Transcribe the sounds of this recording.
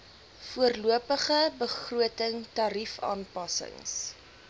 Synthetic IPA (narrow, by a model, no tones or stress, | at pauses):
fuərluəpəχəbəχruətəŋtɑɾifɑ̰ːnpɐsə̰ŋs